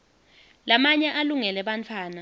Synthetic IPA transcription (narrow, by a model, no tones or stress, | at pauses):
lamaɲɛʔaluŋɛlɛɓant͡fʰwaːna